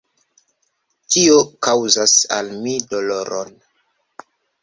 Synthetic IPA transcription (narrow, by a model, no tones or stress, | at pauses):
tiokawzasa̰lmido̞loɾʔo̰n